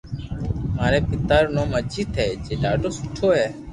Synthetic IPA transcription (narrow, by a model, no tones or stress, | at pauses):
maːɾeːpɪt̪aːɾnõːməd͡ʒiːt̪ʰɦeːd͡ʒeːɖa̰ːɖoːsʊʈʰoːɦeː